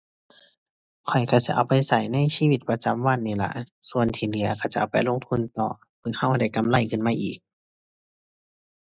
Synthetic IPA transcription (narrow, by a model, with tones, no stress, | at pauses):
kʰɔ˨˩jkʰa˧˩si˧˥ʔa̰˨˩wpa˧˨jsa˨˩jna˧˥˨jsiː˧˨wi˧t̪̚pa˧t͡ɕa˧˦mwa˧˥˨nːiː˧˩la̰˧ʔsu˧˨ənt̪ʰiː˧˩li˧˦ɐkʰa˧˩t͡ɕa˧ʔa˨˩wpa˧˨jlo˧˥˨ŋt̪ʰu˧˥˨nt̪ɔː˨˩ | pʰɯː˧˥˦ha˧˩˨wda˧˩˨jka˧˨mla˧˨jkʰɯ˧˩nmaː˧ʔiː˨˩k̚